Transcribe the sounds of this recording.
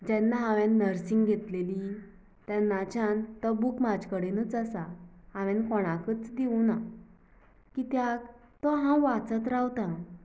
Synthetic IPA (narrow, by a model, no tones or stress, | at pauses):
d͡ʑɛnːaɦãʋɛ̃nːəɾsiŋɡɡʱet̪leli | t̪janːat͡ɕant̪ɔbukmad͡ʑkəɽenət͡səsaãʋɛ̃nkɔɽ̃akət͡sd̪iuna | kit̪jak | t̪ɔɦãʋat͡sət̪ɾawt̪ã